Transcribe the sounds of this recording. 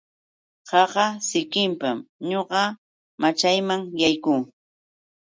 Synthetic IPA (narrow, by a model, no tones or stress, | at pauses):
qɑɢɑsɪkɪmpamɲoɢɑ | mat͡ʃajmaŋjajkuː